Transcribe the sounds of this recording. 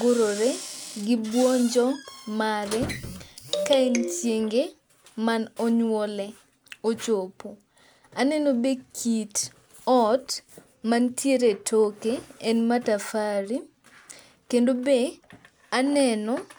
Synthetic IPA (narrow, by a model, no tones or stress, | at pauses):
ɡoɾoɾeɡɪbwɔnd͡ʒɔŋmaɾɛ | kaint͡ʃjeŋɡe | manɔɲwɔlɛ | ot͡ʃopo | anɛnobekʰit | ɔt | mantʰjeɾetʰokeɛnmatafaɾi | kendobe | anɛnɔ